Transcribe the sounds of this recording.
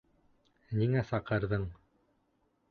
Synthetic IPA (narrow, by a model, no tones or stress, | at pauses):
niŋæsɑqɤ̆ɾðɤɴ